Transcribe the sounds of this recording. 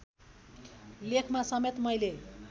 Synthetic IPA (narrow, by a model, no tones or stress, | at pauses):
lekʰmasʌmet̪mʌjle